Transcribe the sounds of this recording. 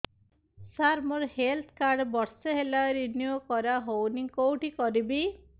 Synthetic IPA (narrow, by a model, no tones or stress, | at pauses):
saɾmɔɾhelt̪ʰkaɾɖbɔɾsɔɦelaɾinjokɔɾaɦownikowʈikɔɾibi